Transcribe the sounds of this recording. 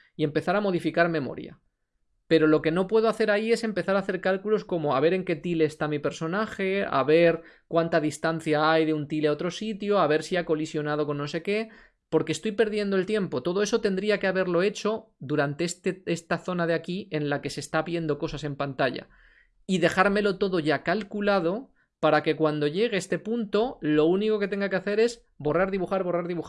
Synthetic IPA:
ie̞mpe̞θaɾamo̞ð̞ifikaɾmẽ̞mo̞̰ɾja̰ | pe̞ɾo̞lo̞ke̞no̞pwe̞ð̞o̞aθe̞ɾaie̞se̞mpe̞θaɾaθe̞ɾkalkulo̞sko̞mo̞aβ̞e̞ɾe̞ŋke̞t̪ile̞ːst̪amipe̞ɾso̞naxe̞a̰βe̞ɾ | kwant̪aðist̪an̟θjaaajðeunt̪ileaot̪ɾo̞sit̪joaβ̞e̞ɾsiako̞lisjo̞nað̞o̞ko̞nːo̞se̞ke̞ | po̞ɾkest̪o̞jpe̞ɾðje̞nd̪o̞e̞lt̪je̞mpot̪o̞ðo̞e̞so̞t̪e̞nd̪ɾiakeaβe̞ɾlo̞e̞t͡ʃo̞d̪uɾant̪e̞est̪ee̞st̪aθo̞naðeakie̞nlake̞se̞ːst̪aβje̞nd̪o̞ko̞sase̞mpant̪aʝa̰ | iðe̞xaɾme̞lo̞t̪o̞ðo̞ʝakalkulað̞o̞ | paɾake̞kwand̪o̞ʝe̞ɣ̞eest̪e̞punt̪o̞lo̞uniko̞ket̪e̞ŋɡakeaθe̞ɾe̞z | bo̞raɾðiβuxaɾβo̞raɾðiβux

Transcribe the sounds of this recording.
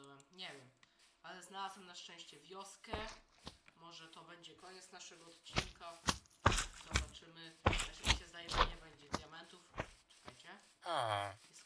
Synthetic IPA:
wɛmɲɛvʲjɛmalɛznalazwɛmnaʂt͡ʂɛ̃w̃ɕt͡ɕɛvʲjɔskɛ | mɔʐɛt̪ɔbɛɲd͡ʑɛkɔɲɛt̪snaʂɛɡɔɔt̪t͡ɕinka | zɔbat͡ʂɘmɘfɛɕeɕɛzd̪ajɛmɛɲɛbɛɲd͡ʑɛd̪ʲjamɛnt̪ufsu̥xajt͡ɕɛ | aajɛs

